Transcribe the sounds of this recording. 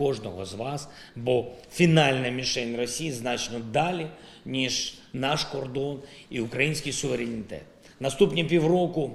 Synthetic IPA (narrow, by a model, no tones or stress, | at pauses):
ɔʐnɔɦɔ̰zʋɑs | bɔfʲinɑlʲnɐmʲiʃɛjnrɔsʲijiznɑt͡ʃnɔd̪ɑlʲi | nʲiʒnɑʃkɔrd̪ɔniʊkɾɐjinʲsʲkʲɪjsʊʋeɾʲenʲit̪ɛ̰t̪̚ | nɐst̪upnʲipʲiwrɔkʊ